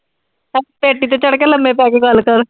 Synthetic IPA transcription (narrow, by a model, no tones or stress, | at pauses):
peːʈːiːt̪eːt͡ʃəɽkeːləmẽːpɛːkeɡəlkəɾ